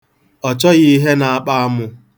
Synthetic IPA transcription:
ɔ˨t͡ʃɔ˦ɣɪ˦ɦe˦na˨a˦k͡pa˦a˦mʊ˨

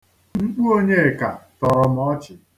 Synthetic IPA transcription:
ŋ͡m̩˦k͡pu˦o˦ɲe˦e˨ka˨tɔ˨ɾɔ˦m˦ɔ˦t͡ʃɪ˨

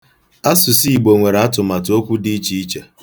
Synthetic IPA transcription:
a˦sʊ˨si˦i˨ɡ͡bo˨ŋʷe˨ɾa˦tʊ˨ma˨to˦kʷu˦di˦t͡ʃi˦i˦t͡ʃa˨

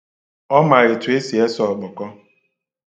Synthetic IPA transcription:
ɔ˦ma˨ɾɪ˨tu˨e˦si˨e˦sɔ˨k͡pɔ˨kɔ˦

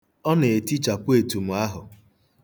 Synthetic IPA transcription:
ɔ˦ne˨e˨ti˦t͡ʃa˨pʊ˦e˨tu˨m̩˨a˦ɦʊ˨

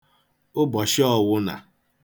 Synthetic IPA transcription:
ʊ˦bɔ˨ʃɪ˦ɔ˦˨wʊ˦na̰˨

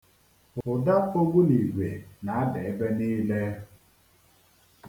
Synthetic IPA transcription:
ʊ˨da˦o˦ɡʷu˦ni˨ɡʷe˨na˨a˦de˨e˦be˦niː˦le˦

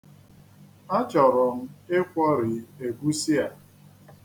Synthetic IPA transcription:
a˦t͡ʃɔ˨ɾɔ˨m̩˦ɪ˦kʷɔ˦ɾɪ˨e˨ɡu˦si˦a˨

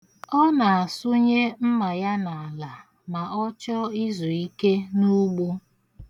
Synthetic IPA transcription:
ɔ˦na˨a˨sʊ˦ɲe˦m̩˦ma˨ja˦na˨a˨la˨ | ma˨ʔɔ˦t͡ʃɔ˦i˦zu˨i˦ke˦nu˦ɡ͡bu˦

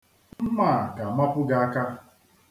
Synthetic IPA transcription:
m̩˦ma˦˨ka˨ma˦pʊ˦ɡa˨a˦ka˦

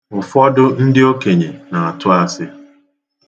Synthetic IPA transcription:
ʊ˨fɔ˦dʊ˦n̩˦dɪ˦o˦ke˨ɲe˨na˨a˨tʊ˦a˦sɪ˦

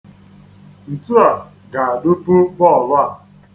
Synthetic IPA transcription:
n̩˨tu˦a˨ | ɡa˨a˨do˦po˦bɔ˦˨lʊ˦a˨

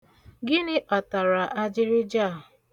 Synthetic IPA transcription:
ɡɪ˦nɪ˦ʔɔ˨ta˨ɾa˨ʔa˦d͡ʒɪ˦ɾɪ˦d͡ʒa˦˨

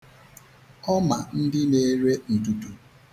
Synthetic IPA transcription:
ɔ˦ma˨n̩˦dɪ˦ne˦ɾe˦n̩˨du˨tu˨

